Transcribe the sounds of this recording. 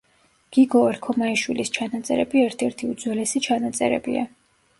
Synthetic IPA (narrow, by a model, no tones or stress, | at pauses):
ɡ̥iɡɔɛɾkʰɔmaiʃwilist͡ʃʰanat̪sʼɛ̰ɾɛbiɛɾt̪ʰɛɾt̪ʰiud̪zwɛlɛsit͡ʃʰanat̪sʼɛ̰ɾɛ̰bḭa̰